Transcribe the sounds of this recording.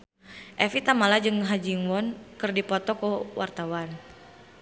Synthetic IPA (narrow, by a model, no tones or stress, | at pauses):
ʔɛfit̪amalad͡ʒɨŋɦad͡ʒiŋwɔnkɨrdipɔt̪ɔkuwʔa̰rt̪awan